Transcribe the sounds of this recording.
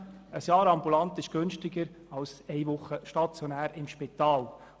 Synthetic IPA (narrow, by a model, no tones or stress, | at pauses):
əsjɑːɾɑmbulɑnt̪ɪʃɡ̥ʏnʃtɪɡəɾ | ɑlsɛɪʋʊχːəʃtɑt͡sjonæːɾɪmʃpit̪ɑːl